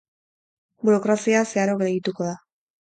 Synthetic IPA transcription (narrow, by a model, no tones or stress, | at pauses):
buɾo̞kɾasiaseaɾokeɣit̪uko̞ða